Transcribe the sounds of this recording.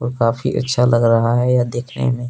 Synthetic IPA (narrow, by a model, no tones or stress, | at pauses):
ɔːɾkaːfiʔɐ̰tːʃʰalɐɡɾɐɦaɦɛjad̪eːkʰnḛmẽː